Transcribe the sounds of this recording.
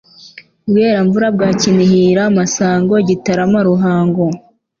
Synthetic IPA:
bɡe̞ːɾaɱvuɾab̚ɡaːcinihiːɾamasaːŋɡo̞ɟitaɾamaɾuɦaːŋɡo

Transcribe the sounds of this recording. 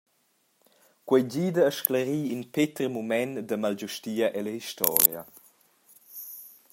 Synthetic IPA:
kwɛjd͡ʑiːdəːʃkləɾiːinpet̪ɾmumɛndəmalɟuʃtiːəʔɛləhiʃt̪ɔ̰ːɾja̰

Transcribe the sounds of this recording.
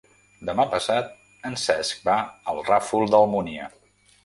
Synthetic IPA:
d̪əmapəsat̪̚ | ənsɛsk̚baəlˠrafulˠd̪əlˠmuniə

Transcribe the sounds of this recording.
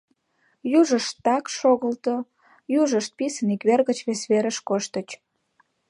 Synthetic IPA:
juʒəʃt̪ːɑkʃoɣəlt̪o | juʒəʃt̪̚pisənikβerɣət͡ɕβesβeɾəʃkoʃt̪ət͡ɕ

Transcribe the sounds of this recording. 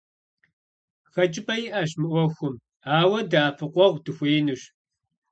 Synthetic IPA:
xɐt͡ʃʼɪpɐjɪʔɐɕmɨʔʷɔxʷʊm | aːwɐdaːfɨqʷʼɔʁdɨxʷeːnɨɕ

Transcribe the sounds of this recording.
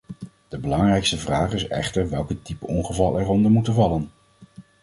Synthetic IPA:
d̥əbəlɑŋrɛjkstəvraːχɪsɛ̰χtəɹʋɛlˠkətipəɔŋχəvɑlˠʔɛɹɔndəmutəvɑlən

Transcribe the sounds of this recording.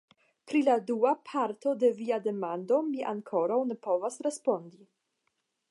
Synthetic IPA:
pɾiladuapʰaɾt̪o̞de̞viade̞mando̞miʔaŋkʰo̞ɾawne̞po̞vasɾe̞spo̞ndi

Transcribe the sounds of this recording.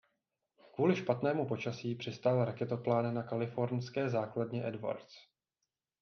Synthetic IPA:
kvuːlɪʃpat̪nɛːmupo̞t͡ʃasiːpr̝̥ɪst̪alɾakɛt̪oplaːnnakalɪfo̞ɾɲskɛːzaːkladɲɛʔɛdva̰ɾt͡s

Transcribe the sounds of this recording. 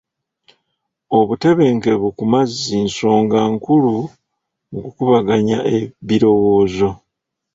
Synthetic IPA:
o̞βute̞βe̞ŋke̞βukumazinso̞ːŋɡaːŋkulu | ŋɡukuβaɡaɲaʔeβiɾo̞wo̞ːzo̞

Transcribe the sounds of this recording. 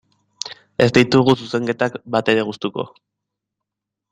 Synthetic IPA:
e̞zd̪ijt̪uɣ̞ususe̞ŋɡe̞t̪akbat̪e̞ɾe̞ɣust̪uko̞̰

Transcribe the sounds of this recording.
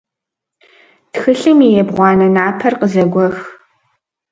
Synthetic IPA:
txɨɬɨmijɛbʁʷɑːnɐnaːpʰɐrqəzɐɡʷɔx

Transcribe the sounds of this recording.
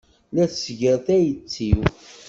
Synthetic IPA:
læθsʝəɾθæjət͡sːiw

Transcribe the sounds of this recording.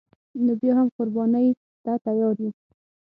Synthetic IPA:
nobjɑhamqʊɾbɑnəj | t̪at̪ajɑɾji

